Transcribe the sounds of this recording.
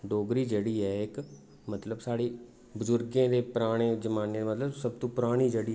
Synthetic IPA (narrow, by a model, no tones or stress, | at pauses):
ɖoːɡɾiːd͡ʒeːɽiːɛːɪk | mət̪ləbsaːɽeː | bʊzʊɾɡãːd̪eːpɾaːɽ̃eːd͡ʒəmaːneːmət̪ləbsəb̚t̪õːpɾaːɽ̃iːd͡ʒeːɽiː